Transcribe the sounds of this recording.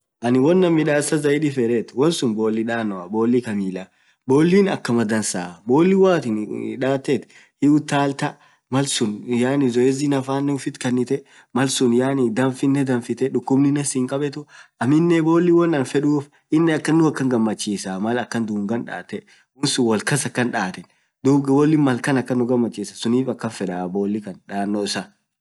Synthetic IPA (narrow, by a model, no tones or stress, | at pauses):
ʔɐnɪwɔnːɐmːɪᶑaːsɐzɐɪᶑɪfɛɾɛt̪wɔnsʊnbo̞ːlːɪᶑaːnːɔɐbo̞ːlːikɐmiːlɐ | bo̞ːlːiːnɐ̰kːɐmɐd̪ɐnsa̰ːbo̞ːlːɪwaːt̪ɪnᶑaːt̪ːɛt̪ | hɪʊt̪ːaːlt̪ɐ | mɐlsʊnjaːnɪzɔɛzinɐfaːnːɛʊfɪt̪kɐnːɪt̪ɛ | mɐlsʊnjaːnɪd̪ɐnfɪnːɛd̪ɐnfɪt̪ɛᶑʊkːʊbnɪnɐsɪŋkʼɐbɛt̪ʊɐmɪnːɛbo̞ːlːɪwɐnɐnfɛᶑuːf | ʔɪnːɛɐkːɐnːʊɐkːɐŋɡɐmːɐt͡ʃːiːsamɐlɐkːɐnd̪uːŋɡɐnᶑa̰ːt̪ɛ | ʊnsʊwɐlkɐsɐkːɐnᶑaːt̪ɛn | d̪uːbɡbɔlːɪmɐlkɐnɐkːɐnːʊɡɐmːɐt͡ʃːiːsɐsʊniːfɐkːɐnfɛᶑaːboːlːɪkɐnᶑaːnːoɪsa